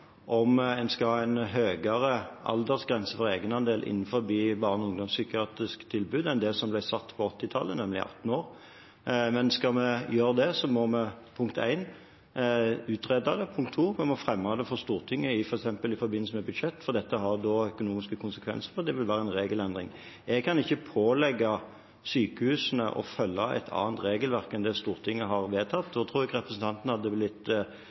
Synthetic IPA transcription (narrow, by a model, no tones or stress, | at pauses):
ʔɔmɛnskɑhɑːæɪnɦøːɡəʁəʔɑ̰ld̪əʁsɡɾɛnsəfɔɾeːɡənɑnd̪eːlʔɪ̰nːnfɔɾbiːbɑʁnʊŋd̪ɔmsykɪɑːt̪ʁɪskt̪ʰɪlbʉːd̪ɛɪnd̪eːsɔmblæɪsɑt̪ːpʰɔɔt̪ːɪt̪ʰɑlːənɛmlɪ̰ʔɑ̰t̪ːn̩oːɾ | mɛnskɑmɛjøːɾd̪ɛsɔmɔmɛpʰʊŋkt̪ʰæ̰ɪn | ʉːt̪ʁed̪ɑd̪ɛpʰʊŋkt̪ʰːuːmɛmɔfɾɛmːɑd̪ɛfɔʁst̪uːʁt̪ʰɪŋːəɪfɔɾɛksɛmpəlɪfɔɾbɪnl̩səmɛbʉd̪ʂɛt̪ːfɔɾd̪ɛt̪ːəɦɑɾd̪ɔːœkʊnuːmɪskəkʰʊnsəkʰʋɛ̰nsəɾfɔʁd̪ɛʋɪlʋæːɾəɛnɾeːɡəlɛnd̪ʁɪ̰ŋ | ɛɡ̚kʰɑnɪçːəpʰoːlɛɡːɑ | syːkəhʉːsənə̰ʔɔ̰fœlːɑæ̰ɪt̪ʰɑ̰ːnt̪ɾeːɡəlʋæʁkɛnd̪ɛst̪uːʁt̪ʰɪŋːəɦɑʁʋeːt̪ʰɑt̪ːd̪ɔt̪ʰɾuːɾɛɡɾɛpɾəsn̩t̪ʰɑnt̪nəhɑd̪ːəblɪt̪ː